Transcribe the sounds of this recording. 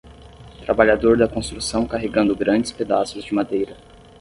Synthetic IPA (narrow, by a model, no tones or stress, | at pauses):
t̪ɾabaʎad̪oɾd̪ɐkõst̪ɾusɐ̃w̃kaɦeɡɐ̃nd̪ʊɡɾɐ̃nd͡ʒɪsped̪a̰sʊzd͡ʒɪmad̪ejɾɐ